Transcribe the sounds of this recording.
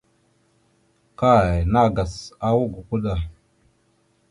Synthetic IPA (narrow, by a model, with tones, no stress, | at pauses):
ka˦˨na˦˨ɡa˨sa˦wu˦ɡu˨ku˦ɗa˨